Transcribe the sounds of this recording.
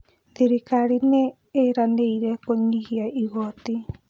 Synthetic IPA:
d̪iɾikaɾine | eɾaneiɾekoɲihiaiɣot̪i

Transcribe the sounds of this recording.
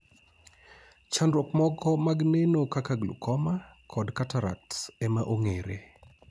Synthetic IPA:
t͡ʃandɾwɔkmɔɡɔmaɡnenokakaɡlṵkɔmakʰɔdkataɾa̰k̚tsɛmaʔoŋeɾḛ

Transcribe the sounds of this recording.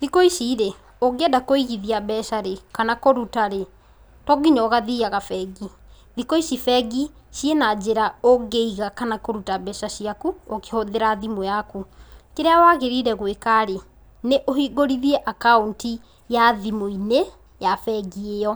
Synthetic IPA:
ðikoiʃiːɾe | oɡeɛdakoiɣiðiabɛʃaɾekanakoɾutaɾe | tɔɡiɲɔɣaðiaɣafɛɡi | ðikoiʃifɛɡiʃjenad͡ʑeɾaoɡeiɣakanakoɾutabɛʃaɕiakuoke̥hoðeɾaðimojakukeɾeawaɣeɾiɾɛɣwekaɾe | neʔohiɡoɾiðiɛʔakaunti | jaðimoine | jafɛɡiejɔ

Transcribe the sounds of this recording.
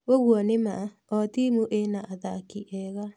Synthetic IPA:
ɣoɣwɔnema | ɔtimuʔenaʔaðakiʔɛɣa

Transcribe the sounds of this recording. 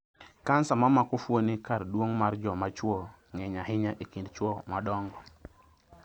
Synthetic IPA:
kansamamakɔfwonikardwoŋmard͡ʒɔmat͡ʃwɔ | ŋɛɲaɦɪɲaʔekindt͡ʃwɔmadɔŋɡɔ

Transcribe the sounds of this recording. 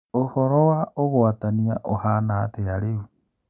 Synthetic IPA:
ohoɾoaʔoβoataniaʔohanaːteaɾeu

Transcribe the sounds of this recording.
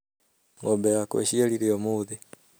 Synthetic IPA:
ŋobeakwḛʃieliɾiomuði

